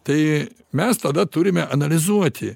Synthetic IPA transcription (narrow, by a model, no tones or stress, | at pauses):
t̪ɐɪ | mʲɛst̪ɐd̪ɐt̪ʊɾʲɪmʲɛʔɐnɐlʲɪzuɔt̪ʲɪ